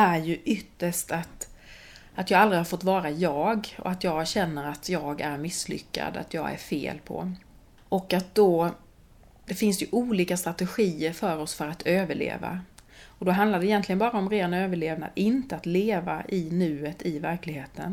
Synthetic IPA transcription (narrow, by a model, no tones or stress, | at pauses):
æɾjɵʔʏt̪ːəʂʈat̪ | at̪jɑːɡald̪ɾɪhaɾfɔt̪ːvɑːɾajɑːɡɔ̰at̪jɑːɕɛnːəɾat̪ʰjɑːɡæɾmɪslʏ̰kːa̰d̪a̰t̪ʰjɑ̰ːɡæ̰ɾfḛːlpʰɔ̰ | ʔɔkːat̪̚d̪̥ɔ | d̪̥ɛfɪnsjɵʔuːliːkast̪ɾat̪ɛɧiːəɾfœɾɔsfœɾat̪ʰøːvəɭḛːva̰ɔd̪ɔɦand̪laɖ̪ɛjɛnt̪lɪɡənbɑːɾaɔmɾeːnøːvəɭeːvna̰d̪ɪnt̪əat̪leːva̰ʔɪnʉ̟ːət̪ɪvæɾklɪɡheːt̪ʰə̰n